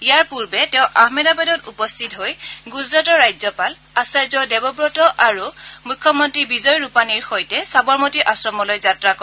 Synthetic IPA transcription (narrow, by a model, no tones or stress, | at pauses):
ijaɹpuɹbɛtɛʊ̃ʔahmɛdabadɔtupɔstʰitɦojɡuzɹatɔɹajzjɔpal | asaɹzɔdɛbɔbɹɔtɔʔaɹumukʰːɔmɔntɹibizɔjɹupaniɹxojtɛsabɔɹmotiʔasɹɔmɔlojzatɹakɔ